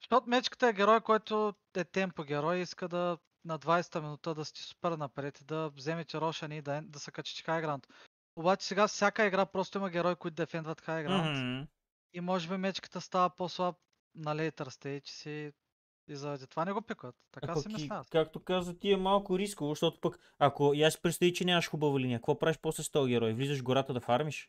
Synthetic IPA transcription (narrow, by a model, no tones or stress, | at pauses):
ʃt̪ot̪mɛt͡ʃkə̥t̪əɛɡʲɛɾɔjkɔjt̪o | ɛt̪ɛmpoɡʲɛɾɔjiskəd̪ɐ | nɐd̪vajsɛ̥t̪ɐminut̪əd̪ɐsi̥t̪i̥su̥pɛɾnɐpɾɛt̪id̪ɐvzɛmɛt̪ʲɛɾɔʃɐniːd̪ɐd̪ɐsɛkt͡ʃɛ̥t̪ɛ̥xajɐɡɾant̪ | obat͡ʃɛ̥sɛɡafsʲjakəiɡɾapɾɔst̪oimɐɡʲɛɾɔjkoit̪d̪ɛfɛnd̪vɐt̪xajɐɡɾant̪ | imɔʒɛbimɛt͡ʃkə̥t̪əst̪avɐposlˠap̚ | nɐlɛit̪ɾɐst̪ɛt͡ʃɛ̥si | izɐvɛt̪ɛt̪ovanɛɡopɛkət̪ːɐkassɛmɛmʲat̪kakt̪okazvət̪iɛmalˠkʊɾiskʊvoʃt̪ɔt̪ʊ̥pək | akojasi̥pɾɛt̪st̪ɐvit͡ʃɛnʲamɐʃxubəvʊliniəkvɔpɾaviʃposɛst̪ɔɡʲɛɾɔjvlizəʒɡoɾat̪əd̪ɐfaɾmiʃ